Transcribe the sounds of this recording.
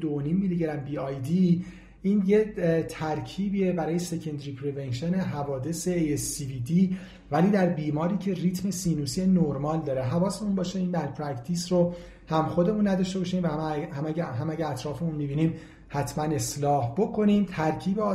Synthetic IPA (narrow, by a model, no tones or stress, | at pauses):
d̪ooniːmːiliɟeɾæmbiːɒjd̪i | ʔiːnjet̪ʰæɾcʰiːbiːebæɾɒːje̞se̞cʰend̪ɾipʰɾevenʃene̞ɦævɒːd̪ese̞esːivid̪iː | væliːd̪æɾbiːmɒːɾiːcʰe̞riːt̪ʰme̞siːnuːsienoɾmɒːld̪ɒːɾeɦævɒːsemunbɒːʃeiːnd̪æɾpʰɾækt̪ʰisɾo | hæmxo̞d̪e̞munːæd̪ɒʃt̪e̞bɒːʃiːmvæhæmæɦæmæɟææt̪ʰɾɒːfe̞munmibiːniːm | hæt̪ʰmæne̞slɒːhb̥okʰo̞niːmt̪ʰæɾcʰiːbeɒː